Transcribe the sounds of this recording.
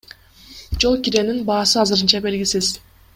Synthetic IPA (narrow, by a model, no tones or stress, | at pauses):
d͡ʒo̞lˠkiɾe̞ninbɑːsɯɑzɯɾɯnt͡ʃɑbe̞lɡʲisiz